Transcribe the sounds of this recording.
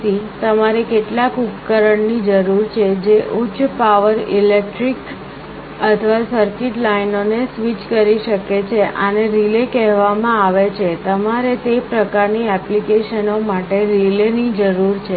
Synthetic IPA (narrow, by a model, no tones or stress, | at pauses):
it̪əmaɾekeʈlakupkəɾəɳnid͡ʒəɾuɾt͡ʃʰed͡ʒeʔʊt͡ʃʃʰpaʋəɾilek̚ʈɾik | ət̪ʰəʋasəɾkiʈlainonesʋit͡ʃkəɾiʃəket͡ʃʰeʔaneɾilekɛɦʋamãaʋet͡ʃʰet̪əmaɾet̪epɾəkaɾniɛplikeʃənomaʈeɾilenid͡ʒəɾuɾt͡ʃʰe